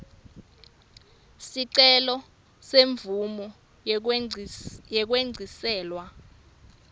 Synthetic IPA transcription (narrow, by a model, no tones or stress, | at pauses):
siǀɛlɔ | seɱvumɔ | jɛk̬weŋ͡ǀʱisɛːlwa